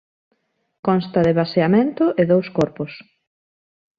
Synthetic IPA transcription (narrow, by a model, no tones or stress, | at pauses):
kɔ̃nst̪ɐðɪβaseamẽnt̪ʊʔɪðowskɔɾpʊs